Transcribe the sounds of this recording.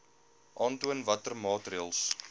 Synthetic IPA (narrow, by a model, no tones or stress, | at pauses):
ʔɑːntuənvɐtərmɑːtriəlˠs